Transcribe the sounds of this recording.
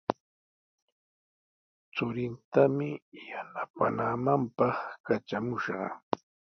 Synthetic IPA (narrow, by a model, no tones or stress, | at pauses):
t͡sʊɾɪnt̪amɪjanapa̰namampɑχkat͡ʃamʊʃɢɑ̰